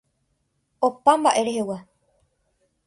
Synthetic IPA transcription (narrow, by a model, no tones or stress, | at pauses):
opambaʔe̞ɾeɦewa